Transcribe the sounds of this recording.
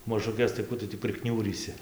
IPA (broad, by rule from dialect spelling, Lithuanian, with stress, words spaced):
mɐʒʊˈkʲɛs tɐɪ ˈkuː tʊ tʲiː pʲrʲɪˈknʲuːrʲiːsʲɪ